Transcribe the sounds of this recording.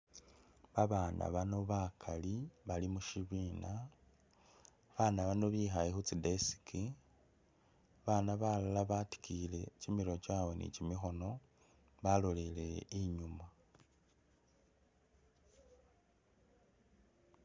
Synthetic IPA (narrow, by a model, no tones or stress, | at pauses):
βaβaːna̰βano̞βakʰaliβalimuʃiβina | βanaβano̞βixajexut͡sidesi̥ki | βanaβalolaβati̥kʰile̞cimiɾo̞t͡ʃawe̞nḭcimixo̞no̞ | βalo̞lele̞iɲuma